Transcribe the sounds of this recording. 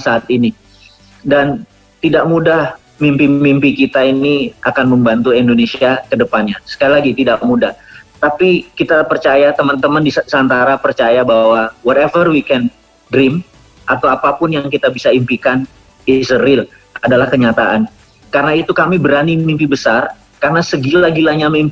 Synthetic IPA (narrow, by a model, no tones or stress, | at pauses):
saːt̪ini | dan | t̪idaʔ̚mudah | mimpimimpikit̪ainiʔakanməmbant̪uɛndonesiakədəpanɲasə̥kalilaɡit̪idamudaht̪apikit̪apərt͡ʃajat̪əmənt̪əməndissəant̪aɾapərt͡ʃajabawawɔɾɛvərwikɛn | dɾɪm | ʔat̪awapapʊnjaŋkit̪abisaimpikan | ɪsəɾɪl | adalahkəɲat̪aʔan | karənait̪ukamibəɾanimimpibəsar | karnasəɡilaɡilaɲamimp